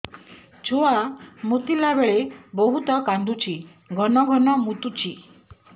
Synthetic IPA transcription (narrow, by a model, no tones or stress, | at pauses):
t͡ʃʰoamut̪ilabeɭebɔɦut̪ɔkand̪ʱut͡ʃʰi | ɡʱɔnɔɡʱɔnɔmut̪ut͡ʃʰi